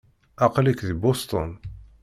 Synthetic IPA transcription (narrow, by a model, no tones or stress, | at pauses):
aqlikðbost̪o̰n